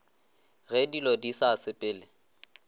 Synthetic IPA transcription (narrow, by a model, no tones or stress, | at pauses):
ɣɛdilodisasɪpʼɪːlɪ